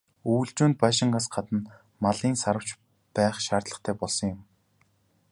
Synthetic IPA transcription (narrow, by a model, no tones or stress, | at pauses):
uːɮt͡ɕuːnt̪̚paʃɪ̆ŋɢaːsɢat̪ə̆n | maɮiːnsaɾə̆w̥t͡ɕ | pæːχʃaːrt̪ɮə̆χt̪ʰæːpɔɮsɞ̆ŋjʊm